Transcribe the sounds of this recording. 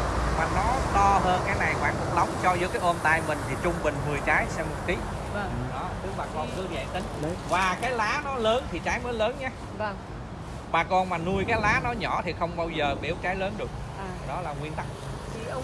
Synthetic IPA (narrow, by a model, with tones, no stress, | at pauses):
maː˨˩nɔ˨˦t̪ɔ˧ɦəː˧nkaː˨˦jna˨˩jkwaː˧˩nkɨ̰˧˩˦ɗə˨˦wŋ͡mt͡ɕɔ˧zɨ̰˨˦˥əkaː˨˦jʔo˧nt̪aː˧jmï˨˩ŋ̟t̪ʰi˨˩t͡ɕʊ˧ŋ͡mmï˨˩ŋ̟hɨ˨˩əjt͡ɕaː˨˦jsɛ˧mo˨˩t̚t̪i˨˦˧ | ɗɔ˨˦t̪ɨ˨˦ɓaː˨˩kɔ˧˩nkɨ˨˧˦zɛ̰˧˨ŋt̪ï˨˦ŋ˧vaː˨˩kaː˨˦jlaː˨˦nɔ˨˦ləː˨˦nt̪ʰi˨˩t͡ɕaː˨˦jməː˨˦jləː˨˦nɲaː˧ | v | ɓaː˨˩kɔ˧nmaː˨˩nu˧əjkaː˨˦jlaː˨˦nɔ˨˦ɲɔ̰˧˩t̪ʰi˨˩xə˧wŋ͡mɓaː˧wzəː˨˩ɓḭ˧˩əwt͡ɕaː˨˦jləː˨˦nɗɨ˨˩ək̚ː | ɗɔ˨˦laː˨˩ŋwi˧ənt̪a˦˥k̚